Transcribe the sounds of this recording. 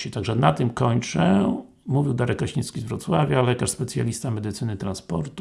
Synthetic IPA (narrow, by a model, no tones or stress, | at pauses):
ɕɛt̪aɡʐɛnat̪ɘmkɔɲt͡ʂɛ | muvʲiwd̪aɾɛkaɕiskʲizvɾɔt̪swavʲjalɛkaʂspɛt̪sʲja̰lʲist̪amɛd̪ɘt̪sɘnɘt̪ɾanspɔ̰ɾt̪u